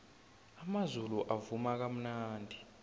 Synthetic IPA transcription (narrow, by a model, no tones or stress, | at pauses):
amazuluʔavumak̬am̩naːndʱi